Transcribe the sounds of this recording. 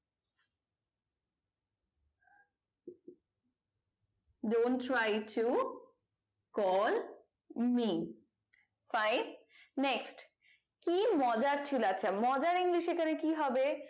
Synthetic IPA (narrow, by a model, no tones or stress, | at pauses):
dontɾajtʰu | kɔl | mi | fajnː | eksʈ | kimɔd͡ʑaɾt͡ɕʰilatːɕʰamɔd͡ʑaɾiŋliʃekʰanekiɦɔbe